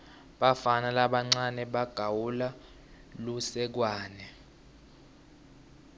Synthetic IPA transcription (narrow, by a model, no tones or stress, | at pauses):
ɓafanalaɓaŋ͡ǀanɛɓaɡ̥ʱawula | lusɛk̬waːnɛ